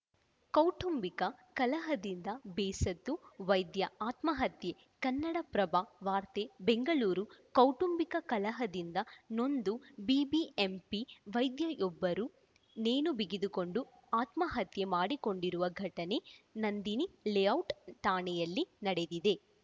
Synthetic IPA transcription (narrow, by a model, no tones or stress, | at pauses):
kɐwʈumbikɐkɐlɐɦɐd̪ind̪ɐbɛːsɐt̪ːuʋɐjd̪jɐaːt̪mɐɦɐt̪je̞ | kɐnːɐɽɐpɾɐbaʋaːɾt̪ebeŋɡɐɭuːɾukɐwʈumbikɐkɐlɐɦɐd̪ind̪ɐno̞nd̪ubiːbiempiʋɐjd̪jɐʔɔbːɐɾu | neːnubiɡid̪uko̞ɳɖu | aːt̪mɐɦɐt̪je̞maːɽiko̞ɳɖiɾuʋɐɡʱɐʈɐne̞nɐnd̪inilejɐwʈt̪aːɳɛjɐlːinɐɽe̞d̪id̪e̞